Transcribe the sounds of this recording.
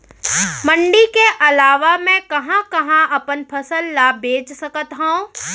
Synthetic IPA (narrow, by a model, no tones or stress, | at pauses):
mə̃ɳɖikeʔɐlaːʋamɛ̃kɐɦãkɐɦãɐpənpʰɐsəlːabʱeːt͡ʃsɐkət̪ɦaũ